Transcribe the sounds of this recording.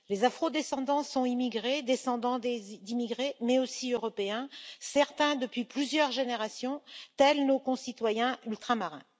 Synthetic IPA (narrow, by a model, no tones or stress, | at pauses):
lezafχod̪esɑ̃d̪ɑ̃sɔ̃imiɡʁed̪esɑ̃d̪ɑ̃d̪ed̪imiɡʁemɛosiøʁɔpeɛ̃sɛʁt̪ɛ̃d̪əpɥiplyzjœʁʒeneʁasjɔ̃t̪ɛlnokɔ̃sit̪wajɛ̃ylt̪χamaʁɛ̰̃